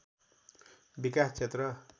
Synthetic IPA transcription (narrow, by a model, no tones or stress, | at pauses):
bikast͡sʰet̪rʌ